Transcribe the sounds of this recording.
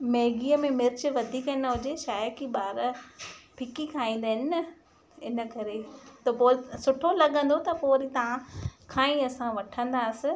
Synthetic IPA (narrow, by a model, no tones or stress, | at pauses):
mɛːɡiːəmẽmɪɾt͡ɕɪ̆ʋɐd̪ʱiːkɪnɦʊd͡ʑeʃaːjkiɓaːɾəpʰɪkikʰaːĩːn̆d̪aɦɪnɪ | ɪnə̆kɐɾet̪ɐpoːsʊʈʰolɐɠə̃nd̪ot̪ɐpoːɾit̪ɐʋ̤ãkʰãːĩɐsãʋɐʈʰə̃nd̪aːsɪ